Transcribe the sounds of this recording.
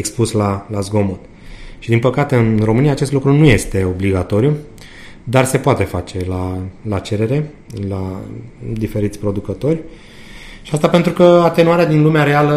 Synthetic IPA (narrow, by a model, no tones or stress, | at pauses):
ekspuslalazɡo̞mot̪ | ʃid̪inpəkat̪e̞ɨnro̞mɨnijaːt͡ʃe̞st̪lukɾunuje̞st̪e̞o̞bliɡat̪o̞ɾiju | d̪arse̞poat̪e̞fat͡ʃe̞lalat͡ʃe̞ɾe̞ɾe̞ | la | d̪ife̞ɾit̪sʲpɾo̞d̪ukət̪o̞rʲ | ʃiast̪ape̞nt̪ɾukəat̪enuaɾead̪inlumeaɾe̞alə